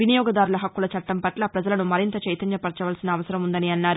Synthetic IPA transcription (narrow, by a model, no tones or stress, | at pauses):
ʋinijɔːɡɐd̪aːɾulɐɦɐkːulɐt͡ʃɐʈːɐmpɐʈlaːpɾɐd͡ʒɐlɐnumɐɾint̪ɐt͡ʃɐjt̪ɐnjɐpɐɾt͡ʃɐʋaːlsinɐːʋɐsɐɾɐmund̪ɐniɐnːaːɾu